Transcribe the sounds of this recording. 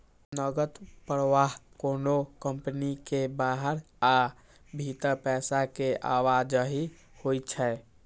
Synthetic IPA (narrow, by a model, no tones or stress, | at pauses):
nəɡət̪pəɾʋaːɦkoːnokəmpənikebaːɦəɾ | a | bʱit̪əɾpɛːsakeʔaːwaːd͡ʒəɦi | hot͡ʃʰɛː